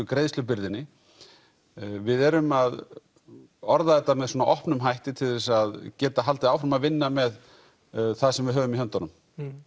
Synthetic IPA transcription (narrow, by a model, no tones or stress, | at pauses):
ʏkɾeːjðslʏp̬ɪɾðɪnːɪ | vɪðɛɾʏmað | ɔɾðaðɛht̪ːamɛðsɔːnaʔɔhpnʏmɦajht̪ɪt̪ʰɪlðɛsaðcɛːt̪aɦalt̪ɪaːwfɾamaðvɪnːamɛð | θaðsɛmvɪðɦœːvʏmiɦœnt̪anʏm